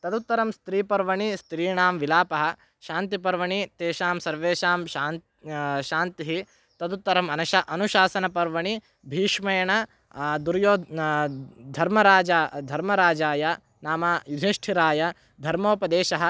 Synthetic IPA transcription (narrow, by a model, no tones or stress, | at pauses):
t̪ɐd̪ut̪ːɐɾɐmst̪ɾiːpɐɾʋɐɳist̪ɾiːɳaːmʋilaːpɐɦɐ̆ | ʃaːnt̪ipɐɾʋɐɳit̪eːʃaːmsɐɾʋeːʃaːmʃaːn | ʃaːnt̪iɦi | t̪ɐd̪ut̪ːɐɾɐmɐnɐʃɐʔɐnuʃaːsɐnɐpɐɾʋɐɳi | bʱiːʂmɐjɐɳɐ | d̪uɾjoː | d̪ʱɐɾmɐɾaːd͡ʒad̪ʱɐɾmɐɾaːd͡ʒaːjɐ | naːmajud̪ʱiʂʈʰiɾaːjɐ | d̪ʱɐɾmoːpɐd̪eːʃɐɦɐ